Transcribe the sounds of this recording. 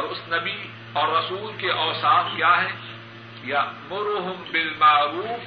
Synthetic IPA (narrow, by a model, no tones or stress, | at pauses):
ɔːɾʊsnɐbi | ɔːɾːɐsuːlkeʔɔːsaːfkjaːɦɛː | jɐʔmʊɾʊɦʊmbɪlmaʕɾuːf